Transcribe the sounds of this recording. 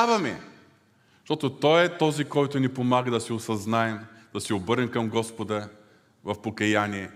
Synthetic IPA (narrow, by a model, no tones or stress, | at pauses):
avɐmɛ | ʃt̪ɔt̪ʊt̪ɔjɛt̪ɔzikɔjt̪ʊnipomaɡəd̪ɐsɛʊsɐznaɛmd̪̥ɐsɛobɤɾɛmkɐmɡɔspod̪ə | vɐfpokɐjaniɛ